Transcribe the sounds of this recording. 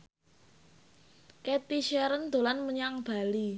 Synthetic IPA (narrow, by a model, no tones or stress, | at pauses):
ket̪iʃɛɾənd̪̥o̤lanməɲaŋb̥a̤li